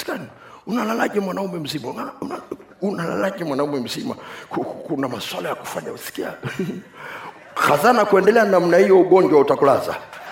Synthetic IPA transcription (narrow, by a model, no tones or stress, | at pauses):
si̥kani | unalalaʄɛmwanaumɛm̩zimaunauna | unala̰laʄɛmwanaumɛm̩zima̰kukunamaswalajaku̥faɲausi̥kia̰ | xazanakuɛndɛlɛanam̩nahijɔuɠɔɲd͡ʒwautakulaza̰